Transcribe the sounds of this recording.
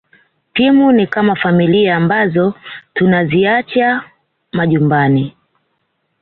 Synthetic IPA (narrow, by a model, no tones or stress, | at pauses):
pimunikamafamiliaːmbazɔtunaziat͡ʃa | maʄumbani